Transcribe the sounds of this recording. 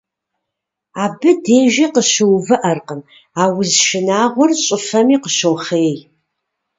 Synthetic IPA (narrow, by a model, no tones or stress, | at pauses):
aːbɨdeːʒɐqəɕɨwvɨʔɐrqən | aːwɪzʃɪnaːʁʷɔrɕʼɪfɐmiːqəɕowχeːj